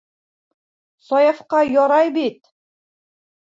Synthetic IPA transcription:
sɒjɑfqɑjɒɾɑjbit̪

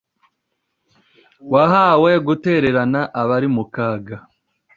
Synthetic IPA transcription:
waɦawe̞ɡute̞ɾe̞ɾanaʔaβaɾimukaːɡa

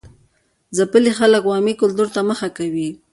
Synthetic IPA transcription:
zapəlixaləkwɑmikʊlt̪uɾt̪aməxakawi

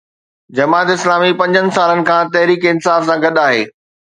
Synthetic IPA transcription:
d͡ʑɐmaːt̪ɪslaːmipɐ̃ɲd͡ʑənɪ̆saːlənɪ̆kʰãːt̪ɐɦɾiːkɪnsaːfsãɡɐɗaːɦeː

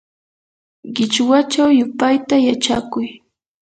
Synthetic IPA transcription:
ɢɪt͡ʃwat͡ʃawjʊpajt̪ajat͡ʃakʊj

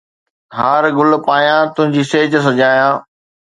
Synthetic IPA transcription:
ɦaːɾɡʊlpaːjãt̪ʊ̃ɦɪ̃ɲd͡ʑiːseːd͡ʑs̬ɐd͡ʑaːjãː

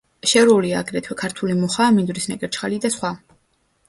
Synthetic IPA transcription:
ʃɛɾɔliaːɡɾɛt̪ʰwɛkʰaɾt̪ʰulimɔχaːmind̪ɾisnɛkʼɛɾt͡ʃʰχalid̪asχwa

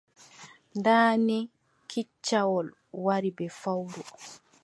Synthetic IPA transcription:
ndaːnɛ | kʰit͡ʃːawɔl | waɾibɛfawdɔ

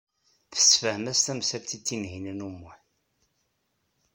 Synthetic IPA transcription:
θə̥sfəmæst̪æmsælt͡s̪ːit͡sːinhinænumːun

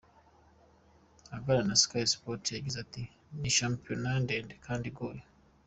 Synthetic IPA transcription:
avaɾanaskaispotjaɟizati | niʃampijonandeːndekʰaːndiɡoje

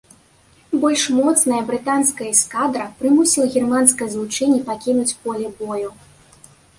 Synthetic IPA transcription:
bɔlʲʂmɔt̪snɐjɐbɾɨt̪anskɐjɐiskad̪ɾɐpɾɨmusʲiwˠɐɣʲirmanskɐjɐzlˠut͡ʂɛnʲːipakʲinut͡sʲpɔlʲɛbɔju

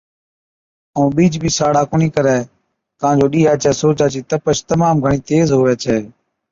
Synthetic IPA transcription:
ə̃ːɓiːd͡ʒbʱiːsaːɽaːkʊɳiːkəɾɛː | k̪əãːnd͡ʒoːɗiːɦaːt͡ʃɛːsoːt͡ʃaːt͡ʃiːt̪əpəʃt̪əmaːmɡʱəɳiːt̪eːzɦoːɛːt͡ʃʰɛː

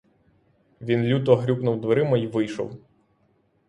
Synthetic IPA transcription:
ʋʲinlʲut̪ɔɦɾʲubnʊwd̪ʋeɾɪmɐiʋɪjʃɔ̰w

